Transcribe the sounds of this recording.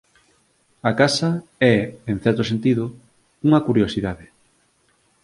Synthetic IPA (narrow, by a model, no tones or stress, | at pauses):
ɐkasɐɛeŋθɛɾt̪osent̪iðʊ | uŋɐkuɾjosiðaðɪ